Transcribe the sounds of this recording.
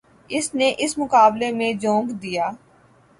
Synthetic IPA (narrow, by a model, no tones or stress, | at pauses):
ɪsneːʔɪsmʊkaːblemẽd͡ʒõːŋɡd̪ijaː